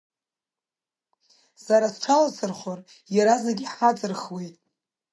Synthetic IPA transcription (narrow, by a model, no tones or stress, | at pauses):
saɾasʈ͡ʂʰalasʰɨrχʷor | jaɾazeɡʲiħad͡zɨrχwejtʼ